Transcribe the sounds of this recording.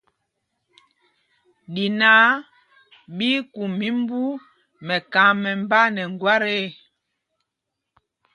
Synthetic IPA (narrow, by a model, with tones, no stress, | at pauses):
di˨na˦ | ɓi˦ku˨mi˦mbu˦ | mɛ˨ka˨˦mɛ˨m˦ba˦nɛ˨ŋɡwa˦ɾe˦